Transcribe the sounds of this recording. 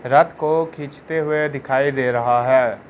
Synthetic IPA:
ɾɐt̪kokʰĩːt͡ʃt̪eɦʊed̪ɪkʰaːid̪eːɾɐɦaɦɛː

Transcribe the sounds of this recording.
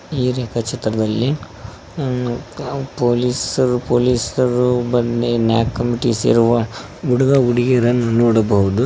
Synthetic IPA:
iːɾeːkʰɐt͡ʃʰɐt̪ɾɐd̪ɐlːi | poːliːsɐɾupoːliːsɐɾubɐnenja̰ːkːɐmiʈisḭɾuʋɐ | uɽɐɡauɽiɡeɾɐnːunoːɽɐbɐʋud̪u

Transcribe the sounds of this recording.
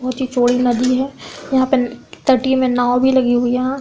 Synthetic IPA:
ɐɦʊt̪ɦit͡ʃoːɽinɐd̪iɦɛːjɐɦãpet̪əɾʈimẽnaːbʱilɐɡiɦʊijɐɦã

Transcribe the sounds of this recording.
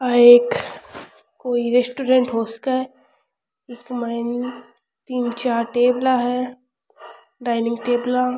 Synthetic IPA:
aeːkː | koːiɾesʈuɾẽɳʈɦoːsə̥kaɛ | ekmani | t̪iːnt͡ʃaːɾʈeːblaɦɛ | ɖaːɪnɪ̃ŋɡʈeːbla

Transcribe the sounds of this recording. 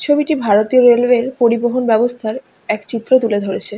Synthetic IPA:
t͡ɕʰobiʈibʱaɾot̪ioɾelweɾpoɾiboɦonbɛbost̪ʰaɾ | ɛkt͡ɕit̪ːɾot̪uled̪ʱoɾet͡ɕʰe

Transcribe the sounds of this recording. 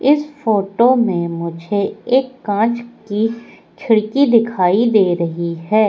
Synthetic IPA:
ɪsfoːʈomẽmʊd͡ʒʱeeːkːãːt͡ʃki | kʰɪɽkid̪ɪkʰaːid̪eːɾɐɦiɦɛː

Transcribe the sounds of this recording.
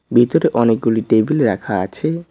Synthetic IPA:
bʱit̪oɾeʔɔnek̚ɡuliʈebʱileɾakʰaa̰t͡ɕʰe

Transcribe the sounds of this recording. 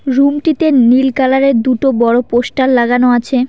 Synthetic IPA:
ɾumʈit̪enilkalaɾeɾd̪uʈobɔɽopoʃʈalːaɡanoat͡ɕʰe

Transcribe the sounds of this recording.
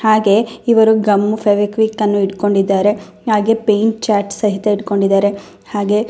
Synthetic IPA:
haːɡe̞iʋɐɾuɡɐmːupʰɐʋekʋikːɐnːuiɽko̞ɳɖid̪ːaːɾe̞ | haːɡe̞pejɳʈt͡ʃaːʈsɐɦit̪eiɽko̞ɳɖid̪ːaːɾe̞ | haːɡe̞

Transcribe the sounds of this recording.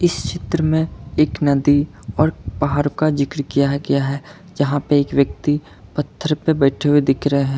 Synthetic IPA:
ɪst͡ʃɪt̪ɾəmẽeːknɐd̪i | ɔːɾpaɦaːɾkad͡ʒɪkɾkijaɦɡɐjaɦɛ | d͡ʒɐɦãpeeːkʋjək̚t̪i | pɐt̪ʰːəɾpebɛːʈʰeɦuwed̪ɪkʰɾɐɦeɦɛ̃ː

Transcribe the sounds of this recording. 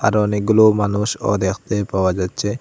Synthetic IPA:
a̰ɾɔniɡulomanuʃɔ̰d̪ɛkʰt̪epawad͡ʒat̪t͡ʃʰe

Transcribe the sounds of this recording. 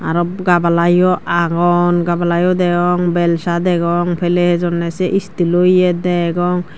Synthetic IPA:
aɾɔbɡabalajɔʔaɡɔnɡabalajɔd̪ɛɡɔŋbɛlsad̪ɛɡɔŋpʰɛlɛhzɔnɛsɛʔist̪ilojɛd̪ɛɡɔŋ

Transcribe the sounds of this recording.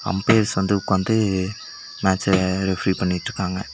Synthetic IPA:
ɐ̰mpeːɾsʋɐnd̪ɯʊkːɯʋɐnd̪ɯ | maːt͡ʃɾɛfɾipɐɳːɪʈːɾɯkːaːŋɡɐ

